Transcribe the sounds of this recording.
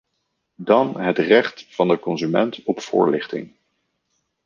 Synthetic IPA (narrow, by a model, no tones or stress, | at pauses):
dɑnɦətrɛχtfɑndəkɔnzymɛntɔpfʊ̰ːɹlɪχtɪ̰ŋ